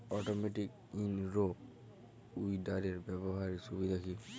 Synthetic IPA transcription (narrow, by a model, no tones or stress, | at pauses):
ɔtɔmetik̚ | inɹo | ujdaɾɛɹbɛbɔɦaɹisubid̪ʱakʰi